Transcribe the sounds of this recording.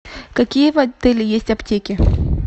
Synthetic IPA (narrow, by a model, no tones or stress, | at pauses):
kɐkʲijəvɐt̪ɛlʲɪjesʲtʲɐptʲekʲɪ